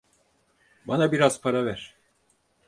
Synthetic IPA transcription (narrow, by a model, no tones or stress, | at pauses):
banabiɾaz̥pʰaɾavæɾ̥